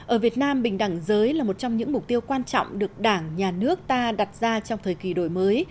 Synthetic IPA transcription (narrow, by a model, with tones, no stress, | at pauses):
ʔəː˧˩vi˨˩ət̚naː˧mɓï˨˩ŋ̟ɗa˧˩ŋzəː˨˦jlaː˨˩mo˨˩t̚t͡ɕɔ˧wŋ͡mɲɨ̰˧˥ŋmʊ˨˩k͡p̚t̪i˧əwwkwaː˧nt͡ɕɔ̰˧˨wŋ͡mɗɨ˨˩ək̚ɗaː˧˩ŋɲaː˨˩nɨ˦˥ək̚t̪aː˧ɗa˨˩t̚zaː˧t͡ɕɔ˧wŋ͡mt̪ʰəː˨˩jki˨˩ɗo̰˧˩jməː˨˦j